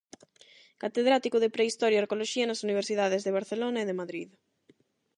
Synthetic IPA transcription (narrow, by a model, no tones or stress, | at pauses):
kat̪eðɾat̪ikʊðepɾeist̪ɔɾjaaɾkoloʃiɐnɐsuniβ̞eɾsiðað̞ezðeβ̞aɾθelonɐeðemaðɾið